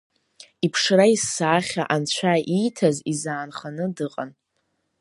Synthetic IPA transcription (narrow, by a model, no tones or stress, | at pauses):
ipʰʂraissaːχʲaʔant͡ɕʷʰaʔitʰazizaːnχanɨdɨqʼan